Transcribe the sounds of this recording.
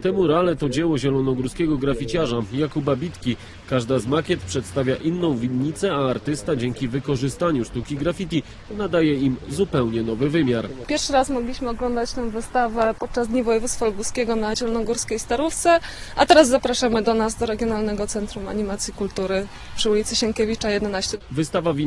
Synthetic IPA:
t̪ɛmuɾalɛt̪ɔd͡ʑɛwɔʑɛlɔnɔɡuɾskʲɛɡɔɡɾafʲit͡ɕaʐajakubabʲit̪kʲi | kaʐd̪azmakʲɛt̪pʂɛt̪st̪avʲjaʔinːɔ̃w̃vʲiɲːit̪sɛaːɾt̪ɘst̪ad͡ʑɛŋkʲivɘkɔʐɘst̪aɲuʂt̪ukʲiɡɾafʲit̪ʲi | nad̪ajɛimzupɛwɲɛnɔvɘvɘmʲjaɾpʲjɛɾfʂɘɾasmɔɡlʲiɕmɘɔɡlɔnd̪at͡ɕt̪ɛ̃w̃vɘst̪avɛpɔt̪̚t͡ʂazd̪ɲivɔjɛvut̪st̪falubuskʲeɡɔnaʑɛlnɔɡuɾskʲejst̪aɾuft̪sɛat̪ɛɾazːapɾaʂamɘd̪ɔnazd̪ɔɾɛɡʲjɔnalnɛɡɔt̪sɛnt̪ɾuma̰ɲimat̪sʲjikult̪uɾɘ | pʂɘulʲit̪sɘɕɛŋkʲɛvʲit͡ʂajɛd̪ɛnaɕt͡ɕɛvɘst̪avavʲi

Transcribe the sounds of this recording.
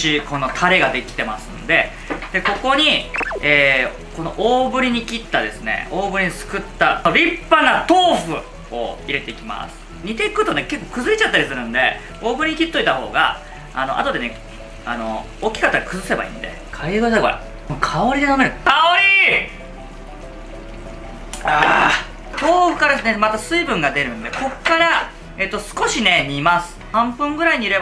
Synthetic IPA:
iko̞no̞t̪ʰaɾe̞ɡad̪e̞kʲi̥t̪e̞masɨ̰nd̪e̞ | d̪̥e̞ko̞ko̞ɲ̟ieː | ko̞no̞̰ʔoːbɯ̟ɾʲiɲ̟ikʲit̪ːad̪e̞sɨne̞̰o̞ːbɯ̟ɾʲiɲ̟isɨ̥kɯt̪ːaoɾʲipːanat̪o̞ːɸɯ̟ | o̰iɾe̞t̪e̞ikʲima̰sɨ̥ɲ̟it̪e̞ikɯ̟t̪o̞ne̞ke̞kːo̞ːkɯ̟zɨɾʲit͡ɕat̪ːaɾʲisɨɾɯ̟̃nd̪e̞ | o̞ːbɯɾʲiɲ̟ikʲit̪ːo̞it̪aɦo̞̰ːɡa̰ | a̰no̞̰ʔa̰t̪o̞d̪e̞ne̞ | a̰no̞̰ | oːkʲːi̥kat̪ːaɡakɯ̟zɨse̞ba̰ḭ̃ːnd̪e̞̰ | kʰaieɡod̪akoɾa̰ | mokʰaoɾʲid̪enome̞ɾɯ̟kaoɾʲi | a | t̪oːɸɯ̟̥kaɾesɨnemat̪asɨibɯ̟̃ŋɡad̪e̞ɾɯ̟̃nd̪e̞kʰo̞kːaɾa | e̞t̪ːo̞sɨ̥ko̞ɕine̞ɲ̟imasɨ̥hãmpɯ̟̃ŋɡɯ̟ɾaiɲ̟iɾe̞b

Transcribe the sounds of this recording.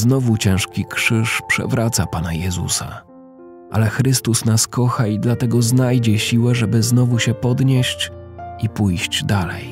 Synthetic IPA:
znɔvut͡ɕɛ̃w̃ʂkʲikʂɘʂpʂɛ̰vɾat̪sapanajɛzṵsa̰ | ʔa̰lɛxɾɘst̪usnaskɔxaid̪lat̪ɛɡɔznajd͡ʑɛɕiwɛʐɛbɘznɔvuɕɛpɔd̪ɲeɕt͡ɕipujɕd͡ʑd̪alɛ̰j

